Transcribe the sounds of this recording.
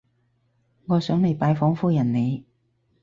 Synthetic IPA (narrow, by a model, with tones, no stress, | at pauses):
ŋɔː˨˧sœː˨˥ŋme˨˩jpaː˨˧jfɔː˨˥ŋfuː˧jɐ˨˩nne˨˧j